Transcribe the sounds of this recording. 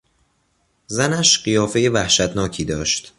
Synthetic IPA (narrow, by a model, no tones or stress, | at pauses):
zænæʃɢijɒːfe̞jevæhʃæt̪nɒːcʰiːd̪ɒːʃt̪